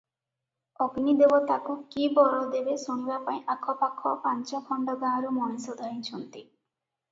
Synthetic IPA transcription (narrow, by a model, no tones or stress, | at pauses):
ɔbinid̪ebɔt̪akukibɔɾɔd̪ebesoɽ̃ibapaĩʔakʰːɔpakʰːɔpant͡ʃɔkʰɔɳɖɔɡãɾumɔɽ̃esɔd̪ʱaĩt͡ʃʰɔnt̪i